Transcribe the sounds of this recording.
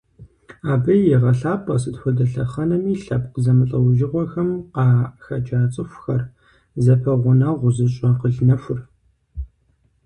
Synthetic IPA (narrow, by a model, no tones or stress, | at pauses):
aːbɐjɛʁɐɬaːpʼɐsɨtxʷɔdɐɬɐχɐnɐmiːɬɐb̚qəzɐmɨɬʼɐwʒɪʁʷɔxɐmqɑːxɐt͡ʃʼaːt͡sʼɪxʷxɐr | zɐpʰɐʁʷʊnɐʁʷʊzɨɕʼɐqəɮnɐfʷʊr